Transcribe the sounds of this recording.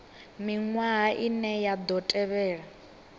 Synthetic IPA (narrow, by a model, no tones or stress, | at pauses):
miŋwaɦaʔinɛjad̪ɔtʼɛβɛːɺa